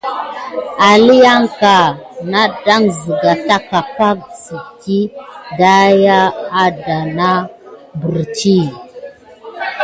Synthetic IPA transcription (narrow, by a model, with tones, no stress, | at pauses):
a˨li˦ja˦ŋka˨na˦da˦ŋzi˨ɡa˨ta˦ka˨pa˦k̚si˨ti˦da˦ja˦a˦da˨na˦bu˨ɾt͡ʃi˦